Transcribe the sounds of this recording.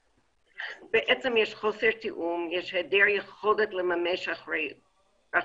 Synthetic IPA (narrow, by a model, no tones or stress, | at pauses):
b̥eʔɛt͡semjɛʃχoseɾt̪ʰiʔumjɛʃhɛdɛɹjeχodet̪lemameʃae | a